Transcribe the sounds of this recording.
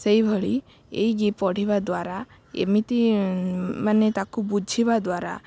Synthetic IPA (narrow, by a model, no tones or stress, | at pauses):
sejbʱɔɭi | ḛjɡipɔɽ̤ibad̪waɾa | ḛmit̪i | manet̪akubud͡ʒʱibad̪waɾa̰